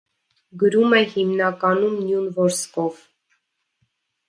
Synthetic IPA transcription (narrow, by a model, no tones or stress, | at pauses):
ɡəɾumɛhimnɑkɑnumnjunvɔɾskɔv